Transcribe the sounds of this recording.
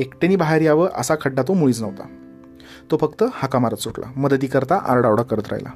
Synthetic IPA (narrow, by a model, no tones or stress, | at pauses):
ekʈeniːbaɦaɾijaʋəɾʔə̰sakʰəɖːat̪omuɭiːt͡snəʋt̪a̰ | t̪ofəkt̪əhakamaɾət̪soʈla̰məd̪əd̪iːkəɾt̪aʔa̰ɾɽawɽakːəɾət̪ɾa̰ɦjla̰